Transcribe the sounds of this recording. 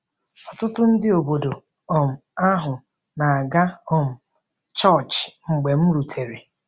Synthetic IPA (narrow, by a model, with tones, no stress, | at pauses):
ɔ˨tʊ˦tʊ˦n̩˦dɪ˦o˨bo˨do˨ | ɔ˨m̩˨a˦ɦʊ˨ | na˨a˨ɡa˦ho˦˨m̩˨ | t͡ʃɔ˦˨t͡ʃŋ͡m̩˨ɡ͡be˨m̩˦ɾu˨tʰe˨ɾe˨